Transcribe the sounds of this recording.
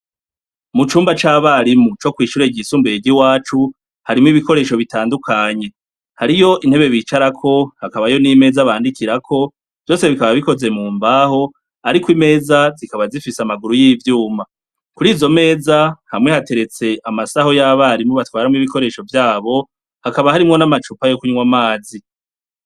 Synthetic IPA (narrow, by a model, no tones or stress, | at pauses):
mut͡ʃuːmbat͡ʃaːβaɾimut͡ʃo̞kwiːʃuɾe̞ɟisuːmbeeɟiwaːt͡ʃu | haɾimiβiko̞ɾe̞ːʃo̞βitaːndukʰaɲe̞ | haɾijo̞ʔin̥he̞βe̞βit͡ʃaɾakʰo̞hakaβajo̞nime̞ːzaβaːndikiɾakʰo̞ | v̥jo̞ːse̞βikaβaβiko̞ze̞muːmbaːho̞ | aɾikwime̞ːzazikaβazifisamaɡuɾujiːvjuːma | kuɾiːzo̞me̞ːzahamŋe̞hate̞ɾe̞t͡se̞ʔamasaho̞jaβahaɾimŋoβatwaːɾamŋiβiko̞ɾe̞ːʃo̞vjaːβo̞ | hakaβahaɾimŋo̞namat͡ʃupajo̞kuɲwamaːzi